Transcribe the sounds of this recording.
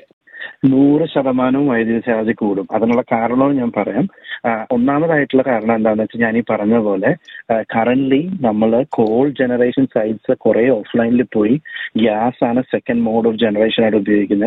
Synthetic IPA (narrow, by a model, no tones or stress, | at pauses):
nuːrɨɕɐðɐmaːnumʋɐjɐd̪iʋɐsaːʋd͡ʑikʲːuːɽumɐðinuɭːɐkaːɾɐɳɐɭoːɳɨɲaːnpɐrɐjaːmo̞nːaːmɐðaːjiʈːuɭːɐkaːɾɐɳɐme̞nd̪aːʋnːɐʋɐt͡ɕːɨɲaːniːpɐrɐɲunːɐðɨpo̞ːle̞kɐrɐɳʈlinɐmːɐɭko̞ːɭɖd͡ʑenɐreːʂɐnsɐjɖsɨkureːo̞ːflɐjnilupːo̞ːjiɡjaːsaːnɨse̞kːɐnɖmoːɖoːfd͡ʑe̞nɐre̞ːʂɐnaːjɽubjoːɡikʲːunːɐɨ